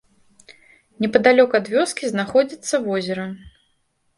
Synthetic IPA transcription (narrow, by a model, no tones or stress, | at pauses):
nʲɛpɐd̪alʲɔkɐd̪vʲɔskʲiznaxɔd͡zʲit̪sːɐvɔzʲɛɾɐ